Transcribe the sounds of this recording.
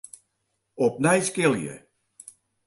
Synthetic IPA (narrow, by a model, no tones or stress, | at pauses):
ɔp̚nɛjskɪlˠjə̰